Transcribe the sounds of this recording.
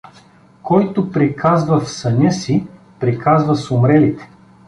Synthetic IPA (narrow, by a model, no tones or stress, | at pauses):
kɔjt̪ʊpɾikʰazvəfsɐnʲɤsi | pɾikʰazvəsʊmɾɛlit̪ɛ̥